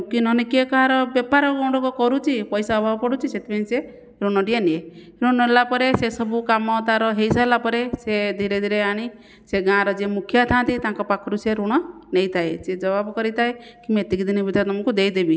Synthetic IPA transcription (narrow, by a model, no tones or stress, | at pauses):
kinɔnikiekɔɦaɾɔbjɔpaɾɔɡɔwɽɔkɔkɔɾut͡ʃʰipɔjsaɔbʱabɔpɔɽut͡ʃʰiset̪ʰipʰañise | ɾuɽ̃ɔɖienie | ɾũɔɦelapɔɾesesɔbukamɔt̪aɾɔɦejsaɦelapɔɾesed̪ʱiɾed̪ʱiɾeaɽ̃i | seɡãɾɔd͡ʒemukʰjat̪ʰãt̪it̪ãŋkɔpakʰɔɾuseɾuɽ̃ɔnejt̪ʰaed͡ʒed͡ʒɔbabɔkɔɾit̪ʰaekimet̪iɡid̪ʱinibid̪ʱat̪ɔmɔŋkud̪ejd̪ebi